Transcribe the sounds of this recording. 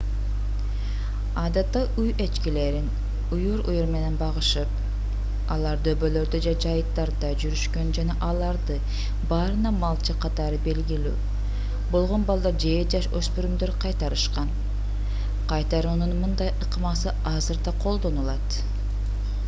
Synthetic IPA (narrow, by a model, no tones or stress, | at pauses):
ɑd̪ɑt̪ːɑʔuje̞t͡ʃkile̞ɾin | ujuɾṵjuɾme̞ne̞nbɑʁɯʃɯp̚ | ɑlˠɑɾd̪øbø̞lø̞ɾd̪ød͡ʒed͡ʒɑjɯt̪ːɑɾd̪ɑd͡ʒyɾyʃkø̞nd͡ʒɑnɑʔɑlˠɑɾd̪ɯ | bɑːɾɯnɑmɑlˠt͡ʃɯqʰɑt̪ɑɾɯbe̞lɡily̰ː | bo̞lˠʁo̞nbɑlˠd̪ɑɾd͡ʒeːd͡ʒɑʃøspyɾymd̪øɾqʰɑjt̪ɑɾɯʃqɑn | qʰɑjt̪ɑɾuːnunmɯnd̪ɑjʔɯqɯmɑsɯ | ɑzɯɾd̪ɑqʰo̞lˠd̪o̞nulˠɑt̪